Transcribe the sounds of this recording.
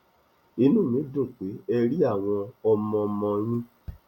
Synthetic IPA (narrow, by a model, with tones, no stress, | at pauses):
i˧nũ˦˨mĩ˨˦do˦˨k͡pe˨˦ɛ˧ɾi˦a˦˨w̃ɔ̃˧ɔ˧mɔ̃˧mɔ̃˧j̃ĩ˦